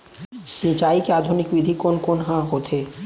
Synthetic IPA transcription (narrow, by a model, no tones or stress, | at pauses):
sĩt͡ɕajkead̪ʱunikbid̪ʱikonkonɦãɦot̪ʰe